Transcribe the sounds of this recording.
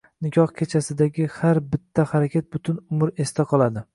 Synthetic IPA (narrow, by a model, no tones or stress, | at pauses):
nɪkʲʰɒhkʲʰe̞t͡ʃʰasɪd̪aɡʲɪhaɾbɪt̪ʰːahaɾakʲʰat̪̚bʊt̪ʰɪnʊmɾe̞st̪ʰaqʰɒlˠad̪ɪ